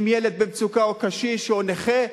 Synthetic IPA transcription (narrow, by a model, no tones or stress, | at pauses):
mjeled̪̚bemt͡sukaokaʃiʃeoneχe